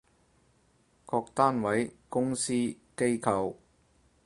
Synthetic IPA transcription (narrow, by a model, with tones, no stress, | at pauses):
kʰɔː˧k̚t̪aː˥nwɐ˨˥jkʊ˥ŋsiː˥ | ke˥jkʰɐ˨w